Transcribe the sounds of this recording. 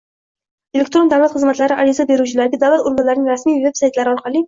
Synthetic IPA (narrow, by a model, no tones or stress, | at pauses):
elek̚t̪ɾo̞nd̪awlat̪χɨzmat̪laɾɪʔaɾɪzabe̞ɾut͡ʃʰɪlaɾɡʲad̪alat̪ʊɾɡʊnlaɾɪnɪŋɾasmijvepsajt̪laɾɪɒɾqʰɑlˠɪ